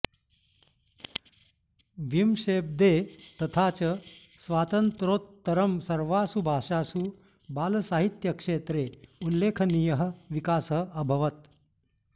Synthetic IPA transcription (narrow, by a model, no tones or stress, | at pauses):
ʋimʂeːb̚d̪eːt̪ɐt̪ʰaːt͡ʃɐsʋaːt̪ɐnt̪ɾoːt̪ːɐɾɐmsɐɾʋaːsubʱaːʂaːsu | baːlsaːɦit̪jɐkʂeːt̪ɾeːulːeːkʰɐnijɐɦɐ̆ʋikaːsəɐbʱɐʋɐt̪̚